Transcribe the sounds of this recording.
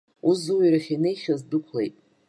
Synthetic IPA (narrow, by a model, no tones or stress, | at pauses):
uzuwiraχʲinejχʲazdɨkʷʰlejtʼ